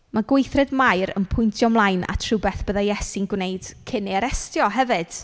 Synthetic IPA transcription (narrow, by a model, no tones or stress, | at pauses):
maɡwejθrɛdmajɾə̰npʰʊjntʰjɔmlˠajna̰tʰrɨbɛθb̥əðajɛsɪnɡwnejd̥kʰɪneaɾɛstjɔɦɛvɨd̥